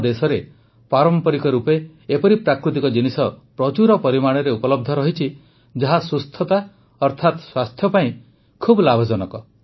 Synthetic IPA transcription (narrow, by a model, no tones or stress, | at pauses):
d̪esɔɾe | paɾɔmpɔɾikɔɾupeː | pɔɾipɾakɾut̪ikɔd͡ʒinisɔpɾɔt͡ʃuɾɔpɔɾimaɽ̃ɔɾeupɔlɔb̚d̪ʱɔɾɔɦit͡ʃʰi | d͡ʒaɦasust̪ʰɔt̪a | ɔɾt̪ʰat̪swast̪ʰjɔpaĩ | kʰublabʱɔd͡ʒɔnɔkɔ